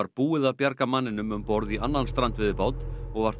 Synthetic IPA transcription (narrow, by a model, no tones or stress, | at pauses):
aɾpuːɪðapjaɾkamanːɪnʏmʏmpɔɾðianːanst̪ɾant̪vɪðɪpaːwt̪nɔɣvaɾ̥θ